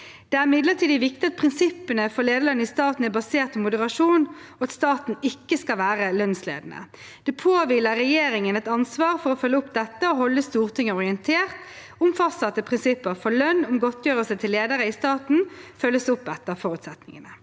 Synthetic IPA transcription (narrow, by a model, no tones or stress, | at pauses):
d̪̥ɛæʁmɪd̪ləʁt̪ʰiːd̪əʋɪkt̪ɪɑt̪̚pʰʁɪnsɪpːənəfɔleːd̪əlɑnːəɪst̪ɑːt̪n̩æbɑseːʁt̪̚pʰɔmʊd̪əʁɑʂuːnɔɑt̪st̪ɑːt̪n̩ɪkːəskɑʋæːɾəlœnslḛːd̪nə̰ | d̪̥ɛpʰoːʋɪləɾɛjeːɾɪŋənɛt̪ɑnsʋɑːɾfɔɾɔfœlːəʊpd̪ɛt̪ːəɔɦɔlːəst̪uːʁt̪ʰɪŋːəɔʁɪənt̪ʰeːʁt̪ | ʊmfɑst̪ɑt̪ːəpʰʁɪnsɪpːəfɔlœnːʊmɡɔt̪ʰjøːɾəsɛt̪ʰɪlːeːd̪əɾəɪst̪ɑːt̪n̩fœlːəsʊpːɛt̪ːəfɔɾʉːt̪sɛt̪nɪŋənə